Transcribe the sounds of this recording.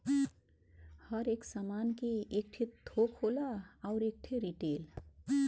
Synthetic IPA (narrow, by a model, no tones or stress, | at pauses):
hʌɾeksamankeek̚ʈʰet̪ʰokholaaʊɾek̚ʈʰeɾiʈel